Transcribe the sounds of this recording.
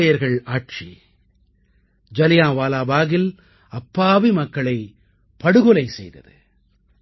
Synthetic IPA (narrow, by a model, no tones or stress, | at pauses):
ɐjɐɾɣɐɭaːʈ̚t͡ʃḭ | d͡ʒɐlɪjãːʋaːlaːbaːɣɪl | ɐpːaːʋimɐkːɐɭɐɪ | pɐɽɯɣɔlɐɪsɛ̰jðɐ̰ðɯ